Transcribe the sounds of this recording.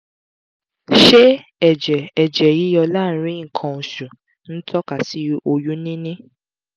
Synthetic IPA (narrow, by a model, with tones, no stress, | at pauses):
ʃe˦ | ɛ˨d͡ʒɛ˨ɛ˨d͡ʒɛ˨ji˨˦jɔ˧laː˦˨˦ɾ̃ĩ˦ŋ̩˨kʰã˧u˨ʃũ˨ | n̩˦tʰɔ˦ka˨si˨˦o˧ju˦nĩ˦nĩ˦